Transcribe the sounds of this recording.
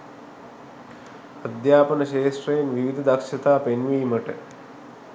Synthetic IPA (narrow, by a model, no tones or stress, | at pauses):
ɐd̪jaːpɐnɐʃeːʂʈrɐjɐnʋiʋid̪ʱɐd̪ɐkʃɐt̪aːpenʋiːmɐʈə